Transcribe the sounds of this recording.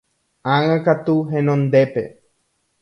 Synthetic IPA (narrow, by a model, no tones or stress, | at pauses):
ãŋãkat̪uɦẽnõnd̪epḛ